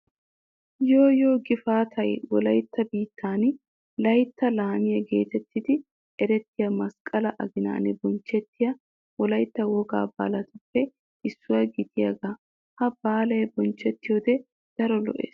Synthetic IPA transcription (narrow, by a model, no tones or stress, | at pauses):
joːjo̞ːɡɪfaːt̪ʰɐjwɔlɐjt̪ːɐbiːt̪ːaːn | lɐjt̪ːɐlaːmɪjɐɡe̞̰ːt̪ɛt̪ːɪd̪ɪ | ɛɾɛt̪ːɪjɐmɐskʼɐlɐʔɐɡɪna̰ːnɪbɔnt͡ʃːɛt̪ːɪjɐ | wɔlɐjt̪ːɐwɔɡa̰ːba̰ːlɐt̪ʊpːɛ | ɪsːʊwɐjɡɪt̪ɪjɐɡaː | hɐb̥aːlɐjbɔnt͡ʃːɛt̪ːɪjoːd̪ɛ | d̪̥ɐɾɔlɔ̰ʔḛːs